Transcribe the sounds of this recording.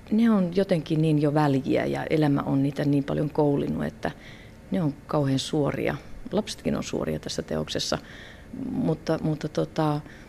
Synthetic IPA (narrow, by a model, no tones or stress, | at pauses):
neonjot̪eŋkiniːnjoʋæljiæ̰jɑ̰ʔelæmæ̰ʔonniːt̪æniːmpɑ̰ljoŋkoulinːuḛt̪ːæ | neoŋkɑuheːnsuorḭɑ̰lɑpse̥t̪kino̰nsṵo̰riɑt̪æsːæt̪ḛo̰ksesːɑ | mut̪ːɑmut̪ːɑt̪ot̪ɑ